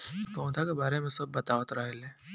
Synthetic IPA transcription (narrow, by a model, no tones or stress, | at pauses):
ikɔ̃ːt̪ʰakebaːɾemẽsɐb̚bɐt̪aːʋət̪ɾɐɦeleː